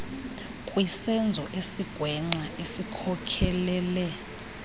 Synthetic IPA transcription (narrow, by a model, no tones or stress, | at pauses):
kʼwisɛnd͡zʱɔʔesiɡ̥ʱwɛŋ͡ǀaesikʰɔkʰɛlɛlɛ